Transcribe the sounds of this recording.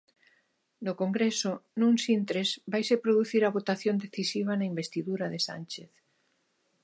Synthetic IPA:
nokoŋɡɾesʊnũŋsint̪ɾezbajsepɾoðuθiɾɐβot̪aθjond̪eθisiβ̞ɐnaimbest̪iðuɾɐðesa̰nt͡ʃeθ

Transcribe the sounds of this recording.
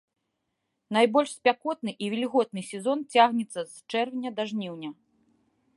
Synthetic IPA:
najbɔlʲʂsʲpʲakɔt̪̚nɨʔivʲilʲɣɔt̪̚nɨsʲɛzɔnt͡sʲaɣnʲɛt̪sːɐzt͡ʂɛrvʲnʲɐd̪aʐnʲiwnʲɐ

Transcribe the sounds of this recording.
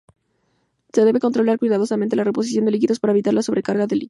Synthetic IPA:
se̞ðe̞βe̞ko̞nt̪ɾo̞laɾkwiðaðosamẽnt̪̬e̞lare̞po̞s̬isjo̞nd̪elik̬iðo̞spaɾae̞βit̪aɾlaso̞βɾe̞kaɾɣaðeli

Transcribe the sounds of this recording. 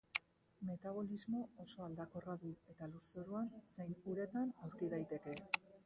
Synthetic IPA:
me̞t̪aβ̞o̞lizmo̞oso̞ald̪ako̞raðue̞t̪aluɾseɾuanse̞jnuɾe̞t̪anawɾkiðajt̪e̞ke̞

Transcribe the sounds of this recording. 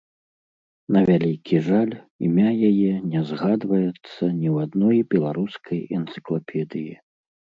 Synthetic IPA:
nɐvʲalʲikʲiʐalʲ | ḭmʲajajɛnʲɛzɣad̪vɐjɛt̪sːɐnʲiwad̪nɔjbʲɛlˠaɾuskʰɐjɛnt̪sɨ̥klˠapʲʰɛd̪ɨji

